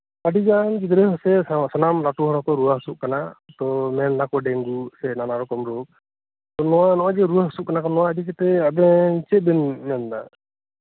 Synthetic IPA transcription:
aɖid͡ʒankid̪ɾɛjɦɔsɛsanamɾaʈuɦɔɾɔkɔɾuaɦsuʔ̚kanat̪ɔmɛnlakɔɖɛŋɡusɛnanaɾɔkɔmɾuk̚ | t̪ɔnɔwanɔwad͡ʒɛɾuaɦɔsuʔ̚kanakɔnːɔwaədikɛt̪ɛabɛt͡ʃɛˀbɛnmɛnda̰

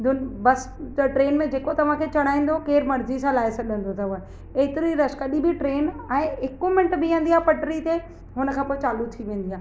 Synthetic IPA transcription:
d̪ʊnbɐsʈɾeːnmẽd͡ʑeːkot̪ɐʋ̤ãkʰeːt͡ɕɐɽ̃aːĩːnd̪okeːɾmɐɾzisãːlaːɪsɐɗə̃n̆d̪ot̪ʰɐʋə | eːt̪ɪɾiɾɐʃkɐɗĩbiʈɾeːnɛ̃ːɪkomɪ̃ɳʈbɪẽːnd̪iaːpɐʈɾit̪e | ɦʊnə̆kʰãːpoːɪt͡ɕaːlut̪ʰiʋẽːn̆d̪iaː

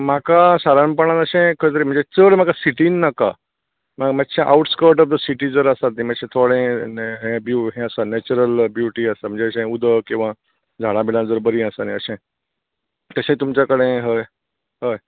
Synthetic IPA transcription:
makasaɾanpəɽ̃ãnəɕẽkʰəjt̪̬əɾim̤əɳd͡zet͡səɽm̤akasiʈinːəka̰ | maməɕẽʔa̰wuʈskəɾʈɔfd̪əsiʈid͡zəɾəsat̪̚niməɕẽt̪ʰoɽẽɦɛ̃bjuɦɛ̃əsanɛt͡ɕuɾəlbjuʈiəsam̤ə̃ɳd͡zeəɕẽud̪ʱəkĩw̃ʋã | d͡zʱaɽãbilãd͡zəɾbəɾĩəsaniəɕɛ̃ | k̪əɕẽt̪umt͡ɕakəɽẽɦəj | ɦəj

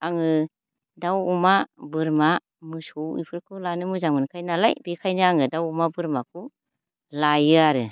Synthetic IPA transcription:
aŋɯ | dawumabɯɾma | mɯsuwḭpʰɯɾkʰɯlanɯmɯzaŋmɯnkʰajnala̰jbikʰajnɯaŋɯdawumabɯɾmakʰu | lajɯaɾɯ

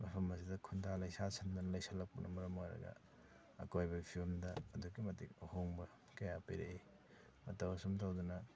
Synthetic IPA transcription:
mɐpʰɐmɐs̬idɐkʰundalɐjsasɐndunɐlɐjsɐlːɐk̚pɐnʔɐmɐɾɐmojɾɐ̰ɡɐ̰ | ɐ̰kojbɐɡipʰiɾomdɐːdukimɐtikɐhoŋbɐ | kɐjapiɾei | mɐtɐwɐsumtawdunɐ

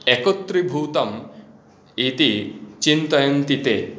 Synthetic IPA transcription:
ekot̪ɾibʱut̪ɔm | it̪it͡ʃint̪ɔjɔnt̪it̪e

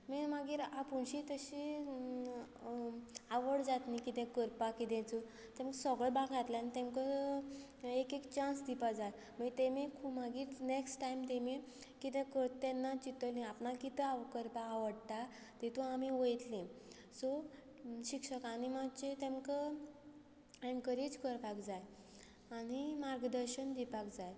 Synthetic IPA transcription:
mimaɡiːɾapuɳɕit̪əɕi | aʋəɽd͡zat̪nikit̪ɛ̃kəɾpakit̪ɛ̃t͡su | t̪ɛ̃mksəɡɭəɭbãɡʱat̪laanit̪ɛ̃mkə | ekekt͡ɕãnsd̪ipad͡zat̪ | mət̪ẽmikʰumaɡiːɾneksʈʈajmt̪emi | kit̪ẽkət̪ɛnːat͡ɕit̪əlĩapnakit̪əakəɾpaːʋəɽt̪a | t̪et̪uamiʋəjt̪lĩ | sɔ | ɕikʂəkanimat͡ɕet̪ẽmkə | ɛ̃ŋkəɾit͡skəɾpakd͡zaj | añimaɾɡd̪əɾɕənd̪ipakd͡zaj

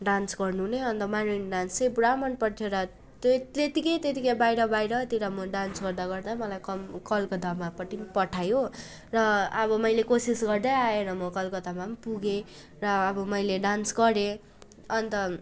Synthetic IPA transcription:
ɖansɡʌrnuɦuneʌnt̪ʌmanejnɖansebuɽamʌnpʌʈ̪ʰjeɾʌ | t̪t̪et̪ikʌjt̪et̪ikʌjbajɾʌbajɾʌt̪iɾʌmʌɖansɡʌrd̪aɡʌrd̪amʌlajkʌkʌlkod̪ʱʌmapʌʈinpʌʈʰajo | rʌʌbʌmʌjlekosisɡʌrd̪ʌjaeɾʌmʌkʌlkod̪ʱʌmampuɡe | rʌːbʌmʌjleɖansɡʌɾe | ʌnt̪ʌ

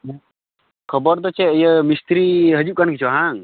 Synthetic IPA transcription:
kʰəbɔɾd̪ɔt͡ʃɛəjəmist̪ɾiɦəd͡ʒuʔ̚kankit͡ʃʰɔɦãŋ

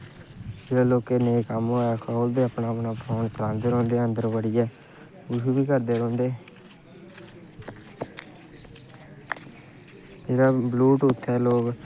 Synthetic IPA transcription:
d͡ʒeːɾaːloːkeːneːkəmɦoːɛːkʰoːld̪eːəpnaːpnaːpʰoːnt̪əɾãːnd̪eːɾɔ̃ːnd̪eːənd̪əɾbəɽiːɛː | ʊd͡ʒuːbiːkəɾd̪eːɾɔ̃ːnd̪eː | meːɾaːbluːʈʊt̪ʰːɛːloːk

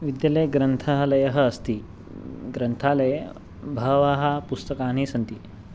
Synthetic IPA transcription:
ʋid̪jɐlɐjɡɾɐnt̪ʰalɐjɐɦɐːst̪iː | ɡɾɐnt̪ʰalɐj | bʱɐʋaɦɐpust̪ɐkaːnisɐnt̪iː

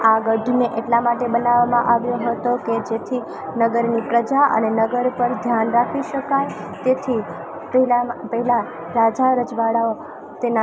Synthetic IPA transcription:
aɡəɖʱmeʔeʈlamaʈebənaʋamãʔaʋjoɦət̪oked͡ʒet̪ʰi | nəɡəɾnipɾəd͡ʒaə̰nenəɡəɾpəɾd̪ʱjanɾakʰiʃəkaj | t̪et̪ʰi | ppəɦila | ɾad͡ʒaɾəd͡ʒʋaɽao | t̪ena

